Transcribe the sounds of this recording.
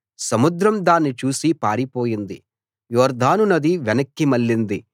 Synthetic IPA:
sɐmud̪ɾɐmd̪aːnːit͡ʃuːsipaːɾipoːjind̪i | jɔːɾd̪ʱaːnunɐd̪iʋɛnɐkːimɐlːind̪i

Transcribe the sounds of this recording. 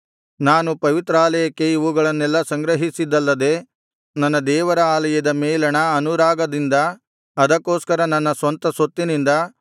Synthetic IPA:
naːnupɐʋit̪ɾɐaːlɐjɐkːeiʋuɡɐɭɐnːɛlːɐsɐŋɡɾɐɦisid̪ɐlːɐd̪e̞ː | nɐnːɐd̪ɛːʋɐɾɐaːlɐjɐd̪ɐmɛːlɐɳɐɐnuɾaːɡɐd̪ind̪ɐː | d̪ɐkːoːskɐɾɐnɐnːɐsʋɐnt̪ɐsot̪ːinind̪ɐ

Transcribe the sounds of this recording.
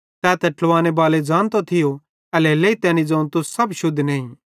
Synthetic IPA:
t̪ɛːt̪ɛʈlʋaːñebaːled͡ʒãːnt̪ot̪ʰɪjo | ɛlɛːleit̪ɛːnid͡zɐːũt̪ʊssɐbʃʊd̪ʱːnɛːĩ

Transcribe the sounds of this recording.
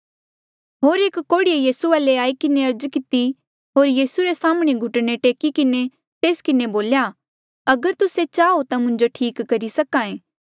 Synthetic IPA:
ɦoːɾeːkkːoːɽɪijejiːsualeaːikɪneɐɾd͡ʒkɪt̪i | ɦoːɾjiːsuɾesaːməɽ̃eɡʱʊʈneʈeːkikɪne | t̪eːskɪneboːlja | ɐɡəɾt̪ʊset͡ʃaːot̪amʊ̃ɲd͡ʒoʈʰiːkːɐɾisɐkãːẽː

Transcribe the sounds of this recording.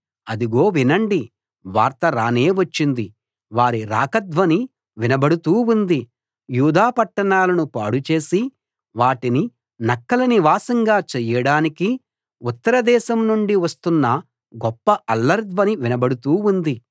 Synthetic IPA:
ɐd̪iɡo̞ːʋinɐɳɖi | ʋaːɾt̪ɐɾaːne̞ːʋɐt͡ʃːind̪i | ʋaːɾiɾa̰ːkɐd̪ʋɐni | ʋinɐbɐɽut̪uːund̪i | juːd̪aːpɐʈːɐɳaːlɐnupaːɽut͡ʃe̞ːsi | ʋaːʈini | nɐkːɐlɐniʋaːsɐŋɡaːt͡ʃɛjɐɽaːniki | ut̪ːɐɾɐd̪ɛːʃɐmnuɳɖiʋɐst̪unːɐ | ɡɔpːɐʔɐlːɐɾd̪ʋɐniʋinɐbɐɽut̪uːund̪i

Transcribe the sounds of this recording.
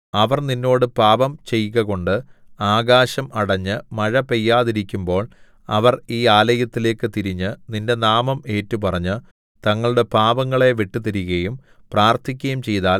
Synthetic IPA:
ɐʋɐrninːo̞ːɽɨpaːʋɐmt͡ɕe̞jɣɐɣo̞ɳɖɨaːɡaːɕɐmɐɽɐɲːɨmɐɻɐpe̞jːaːðiɾikʲːumbo̞ːɭ | ɐʋɐriːaːlɐjɐt̪ːile̞ːkːɨt̪iɾiɲːɨninde̞naːmɐme̞ːtːupɐrɐɲːɨ | t̪ɐŋːɐɭuɽe̞paːʋɐŋːɐɭe̞ʋeʈːut̪iɾiɣɐjum | praːrt̪ʰik̬ʲːɐjumt͡ɕe̞jðaːl

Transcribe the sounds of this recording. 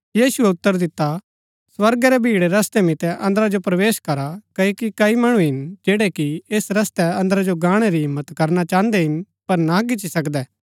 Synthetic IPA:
jiːsuɛʊt̪ːəɾd̪ɪt̪ːa | sʋɐɾɡɛɾɛbʱiːɽeɾɐst̪ɛmɪt̪ɛʔɐ̃nd̪əɾad͡ʒopɾɐʋeːʃkɐɾakɐikikɐimɐɽ̃uɦɪnd͡ʒeːɽekieːsɾɐst̪ɛɐ̃nd̪əɾad͡ʒoɡãːɽ̃eɾiɦɪmːət̪kɐɾnat͡ʃãːnd̪ɛɦɪn | pɐɾnak̬ɪt͡ʃisɐkd̪ɛː

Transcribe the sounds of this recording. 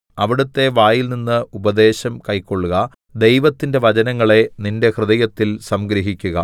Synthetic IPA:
ɐʋiɽut̪ːe̞ʋaːjilninːɨubɐd̪e̞ːɕɐmkɐjkːo̞ɭːuɣɐ | d̪e̞jʋɐt̪ːinde̞ʋɐd͡ʑɐnɐŋːɐɭe̞ninde̞krɨðɐjɐt̪ːilsɐmɡɾiɦikʲːuɣɐ̰

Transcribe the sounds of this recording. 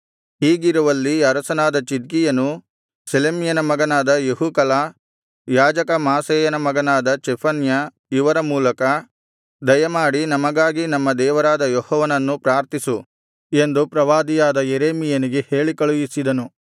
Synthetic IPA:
hiːɡiɾuʋɐlːiɐɾɐsɐnaːd̪ɐt͡ʃid̪̚kijɐnu | selemijɐnɐmɐɡɐnaːd̪ɐjeɦukɐlaː | jaːd͡ʒɐkɐmaːseːjɐnɐmɐɡɐnaːd̪ɐt͡ʃɛpʰɐnjɐ | iʋɐɾɐmuːlɐkɐ | d̪ɐjɐmaːɽinɐmɐɡaːɡinɐmːɐd̪ɛːʋɐɾaːd̪ɐjɔhɔːʋɐnɐnːupɾaːɾt̪isu | e̞nd̪upɾɐʋaːd̪ijaːd̪ɐjeɾeːmijɐniɡe̞he̞ːɭikɐɭujisid̪ɐnu

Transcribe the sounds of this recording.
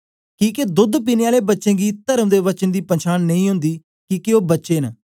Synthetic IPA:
kĩːked̪ʊd̪piːneːaːleːbətːʃẽːɡiːt̪əɾəmd̪eːʋət͡ʃənd̪iːpənt͡ʃʰaːnːəĩːɦʊ̃nd̪iː | kiːkeoːbətːʃeːnː

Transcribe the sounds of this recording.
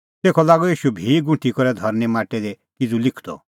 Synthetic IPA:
t̪eːkʰɔlaːɡɔjiːʃubʱiːɡʊ̃ʈikɔɾɛd̪ʱɔɾnimaːʈɛd̪ɛ | kɪd͡zulɪkʰd̪ɔ̰

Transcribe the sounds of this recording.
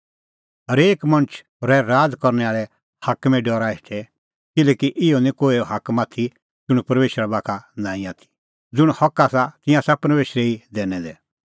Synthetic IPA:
ɦɐɾeːkmɐ̃nt͡ʃʰː | ɾɛɾaːd͡zkɔɾnɛaːɭɛ | hakmɛ̃ɖɔːɾaɛʈʰɛ | kɪlɛːkiʔɪonĩkoːioɦakmat̪ʰi | d͡zʊɽ̃pɐɾmeːʃɾabaːkʰanãːĩaːt̪ʰi̥ | d͡zʊɽ̃hɐkːasat̪ɪ̃jãsapɐɾmeːʃɾɛid̪ɛːnɛd̪ɛ

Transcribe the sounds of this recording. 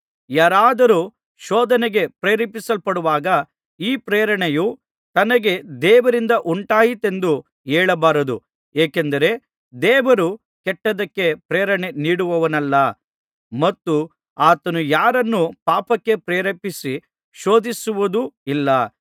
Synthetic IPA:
jaːɾaːd̪ɐɾu | ʃɔːd̪ɐneɡe̞pɾeːɾɐpisɐlpɐɽuʋaːɡɐ | iːpɾeːɾɐɳeju | t̪ɐnɐɡe̞d̪ɛːʋɐɾind̪ɐʔuɳʈaːjit̪e̞nd̪u | ɛːɭɐbaːɾɐd̪u | eːkend̪ɐɾe̞ | d̪ɛːʋɐɾu | kɛʈːɐd̪ɐkːe̞pɾeːɾɐɳeniːɽuʋɐʋɐnɐlːɐ | mɐt̪ːu | aːt̪ɐnujaːɾɐnːupaːpɐkːe̞pɾeːɾɐpisi | ʃo̞ːd̪isuʋud̪uilːɐ

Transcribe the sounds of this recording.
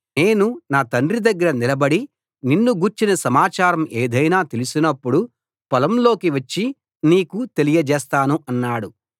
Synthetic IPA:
neːnunaːt̪ɐnɖrid̪ɐɡːɐɾɐnilɐbɐɽi | ninːuɡuːɾt͡ʃinɐsɐmaːt͡ʃaːɾɐmeːd̪ɐjnaːt̪e̞lusinɐpːuɽu | pɐlɐmlo̞ːkiʋɐt͡ʃːi | niːkut̪e̞lijɐd͡ʒɛːst̪aːnuʔɐnːaːɽu

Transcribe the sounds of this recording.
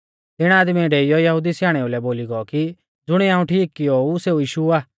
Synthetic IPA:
t̪ɪɽ̃aːd̪miɖeijɔjɐɦud̪isjaːɽ̃eulɛboːliɡɔki | d͡zʊɽ̃iaːũʈʰiːkːɪjouseːujiːʃuaː

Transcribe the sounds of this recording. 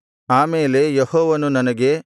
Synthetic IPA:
aːmeːle̞jehɔːʋɐnunɐnɐɡe̞

